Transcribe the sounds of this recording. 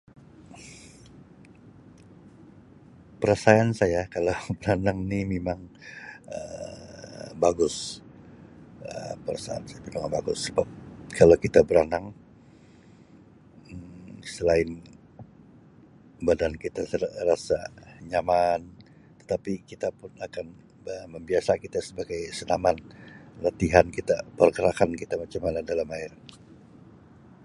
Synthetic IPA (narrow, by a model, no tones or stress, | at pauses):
pəɾasaansajakalawbəɾanaŋnimemaŋ | ə̰ | baɡʊs | ə̰pəɾasa̰a̰nsajapədoŋanbaɡʊsːəbap̚kʰalawkit̪abəɾanaŋ | əsəlaɪn | badankit̪asrasaɲaman | t̪ə̥t̪apikit̪apʊnakan | əməmbiasakit̪asəbaɡajsənamanlat̪iɦankit̪apərkəɾakankit̪amat͡ʃamanadalamaɪr